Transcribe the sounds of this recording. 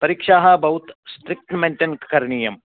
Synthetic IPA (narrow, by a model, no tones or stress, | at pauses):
pɐɾikʂaːɦɐbɐɦut̪sʈɾik̚ʈmeɳʈenkkɐɾniːjɐm